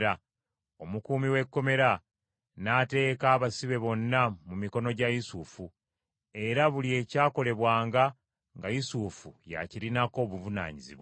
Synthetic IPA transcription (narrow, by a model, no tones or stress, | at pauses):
ɾa | o̞mukuːmiwe̞kːo̞me̞ɾa | nate̞ːkaːβasiβe̞βo̞nːamumiko̞no̞ɟajusufu | e̞ɾaβulie̞ːcaːko̞le̞βwaːŋɡa | ŋɡajusufuja̰ciɾinako̞ːβuvuna̰ːɲizḭβwa